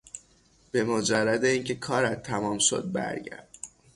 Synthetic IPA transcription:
b̥e̞mod͡ʒærːæd̪eiːŋcʰe̞kʰɒːɾæt̪ʰːæmɒːmʃo̞̰d̪̚bæ̰ɾɟæ̰ɾd̪̥

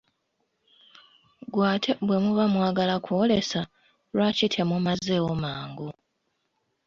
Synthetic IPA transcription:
ɡwaːtʰe̞βwe̞muβamwaːɡalakʰoːle̞sa | lwacitʰe̞mumazeomaːŋɡu

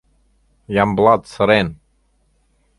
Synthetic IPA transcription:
jamblˠat̪səɾen

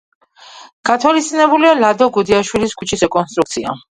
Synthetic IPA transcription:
ɡ̥at̪ʰwalist̪ʼinɛbulialad̪ɔɡud̪iaʃwiliskʰut͡ʃʰisɛkʼɔnst̪ʼɾukt̪sʰia̰

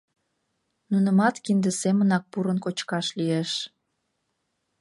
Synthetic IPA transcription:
nunəmɑt̪kind̪əsemənɑk̚puɾənkot͡ɕkɑʃlieʃ

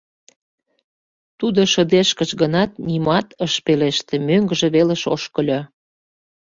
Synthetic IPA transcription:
t̪ud̪oʃə̆d̪eʃkəʃɡənɑt̪nimɑt̪əʃpeleʃt̪ĕmøŋɡəʒĕβeleʃo̰ʃkəlʲo

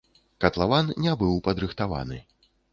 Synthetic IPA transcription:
kɐt̪lˠavannʲɛbɨwpɐd̪ɾɨxt̪ava̰nɨ̰

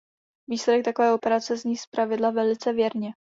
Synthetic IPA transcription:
viːslɛdɛk̚t̪akovɛːo̞pɛɾat͡sɛzɲiːspɾavɪdlavɛlɪt͡sɛvjɛɾɲɛ

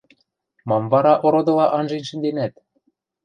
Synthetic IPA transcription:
mɑmvɑɾɑʔoɾod̪ɤ̆lɑʔɑnʒenʃɘ̆nd̪enæt̪̚

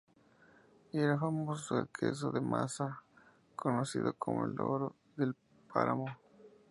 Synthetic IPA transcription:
eɾafamoseɾkʰes̬oðemʔasa | kʰonosiðokʰomoeloɾo | ðel | pʰaɾamo

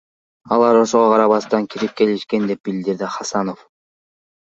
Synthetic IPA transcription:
ɑlˠɑɾo̞ʃoʁoqʰɑɾɑβɑst̪ɑŋkʲʰiɾip̚ke̞liʃke̞nd̪e̞p̚bild̪iɾd̪iχɑsɑno̞f

